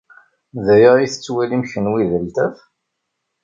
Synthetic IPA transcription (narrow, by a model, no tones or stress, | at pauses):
ðæjəiθə̥t͡sːwælimçənwiðəlt̪æf